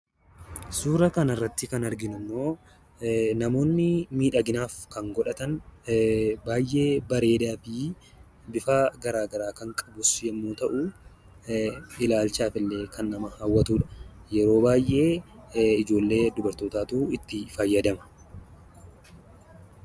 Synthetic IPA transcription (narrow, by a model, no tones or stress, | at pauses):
suːɾɐkɐnɐrːɐt̪ːɪkɐnɐɾɡɪnʊnːoː | nɐmo̞ːnːɪmiːᶑɐɡɪnaːfkɐŋɡɔᶑɐt̪ɐn | baːjʔːe̞ːbɐɾe̞ːd̪aːfɪ | bɪfaːɡɐɾaːɡɐɾaːkɐŋkʼɐbʊsjɛmːoːt̪ɐʔu | ɪlaːlt͡ʃaːfɪlːe̞ːkʰɐnːɐmɐhaːwːɐt̪uːᶑɐ̥jɛɾo̞ːbaːjʔe̞ːɪd͡ʒo̞ːlːe̞ːd̪ʊbɐɾt̪oːt̪aːt̪uɪt̪ːɪfɐjːɐd̪ɐmɐ̥